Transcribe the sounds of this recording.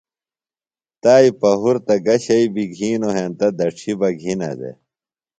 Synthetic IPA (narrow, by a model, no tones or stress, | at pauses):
t̪aːipɐɦuɾt̪ɐɡɐɕɐibiɡʱiːnoɦent̪ɐd̪ɐʈ͡ʂʰibɐɡʱinɐ̰d̪ḛ